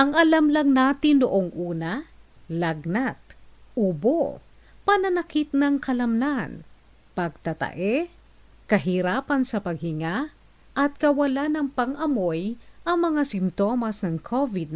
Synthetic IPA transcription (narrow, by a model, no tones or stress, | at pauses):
ʔɐŋʔɐlamlɐŋnaːt̪ɪnːʊʔoŋʔuːnɐ | lɐɡnat̪̚ʔubo | pɐnɐnɐkit̪̚nɐŋkɐlɐmnan | pɐɡ̚t̪ɐt̪ɐ̰ʔɛ | kɐɦiɾaːpɐnsɐpɐɡ̚hɪŋa | ʔɐt̪̚kɐwɐlanɐŋpɐŋʔɐmojʔɐŋmɐŋasɪmt̪o̞mɐsnɐŋkʰovɪd̪̚